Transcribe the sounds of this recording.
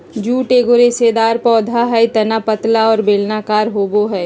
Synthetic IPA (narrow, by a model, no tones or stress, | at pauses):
d͡ʒuːʈeːɡoɾesed̪aːɾpɔːd̪ʱaɦɛt̪ɐnapət̪laɔːɾbeːlnakaːɾɦoːboɦɛː